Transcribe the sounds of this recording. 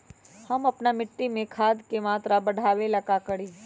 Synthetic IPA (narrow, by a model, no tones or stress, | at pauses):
hɐmɐpnamɪʈːimẽkʰaːd̪kemaːt̪ɾabɐɽʱaːʋelɐkakəɽiː